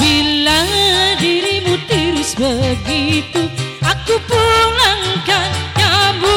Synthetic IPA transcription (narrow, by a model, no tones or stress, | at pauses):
bilaŋdiɾimut̪iɾʊsbəɡit̪uʔakupulaŋkankabu